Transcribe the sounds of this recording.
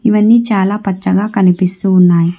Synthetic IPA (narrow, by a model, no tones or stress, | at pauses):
iʋɐnːiːt͡ʃaːlaːpɐt͡ʃːɐɡaːkɐnipist̪uːnːaːji